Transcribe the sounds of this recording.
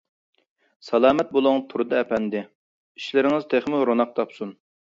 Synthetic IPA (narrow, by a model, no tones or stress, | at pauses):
sɑlˠɑːmɛt̪̚bolˠʊŋt̪ʰuɾɨd̪ɑɛpʰɛnd̪ɪ | iʃlɪɾɪŋɪzt̪ʰeχmɪlɾonɑq̚t̪ʰɑpsun